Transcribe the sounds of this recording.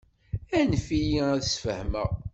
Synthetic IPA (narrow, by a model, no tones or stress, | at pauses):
ænfijiæðəsfəhmə̰ʁ